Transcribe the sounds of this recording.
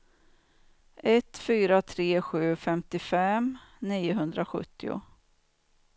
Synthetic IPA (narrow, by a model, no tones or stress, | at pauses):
ʔɛt̪ːfyːɾat̪ʰɾeːɧʉ̟ːfɛmt̪ɪfɛmniːjʊɦɵnd̪ɾaɧɵ̰t̪ːɪʊ̰